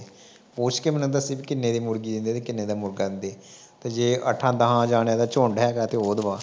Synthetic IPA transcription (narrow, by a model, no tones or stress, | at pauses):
poːt͡ʃkeːmɛnnd̪aəsĩːbiːkɪnːeːd̪eːmʊɾɡiːd̪ɪ̃nd̪eːt̪eːkɪnːeːd̪aːmʊɾɡaːd̪ɪnd̪eː | t̪eːd͡ʒeːʔə̰ʈʰãːd̪əɦãːd͡ʒaːnaːd̪aːt͡ʃoːɳɖɛːkaːt̪eːoːd̪ʋãː